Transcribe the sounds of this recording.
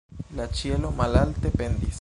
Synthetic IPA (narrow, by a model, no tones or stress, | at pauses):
lat͡ʃijelo̞malalt̪epend̪is